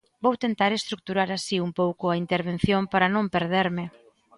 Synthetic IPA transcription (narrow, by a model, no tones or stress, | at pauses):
bowt̪ent̪aɾest̪ɾuk̚t̪uɾaɾasiumpowkʊaint̪eɾβ̞en̟θjompaɾɐnõmpeɾð̞eɾmɪ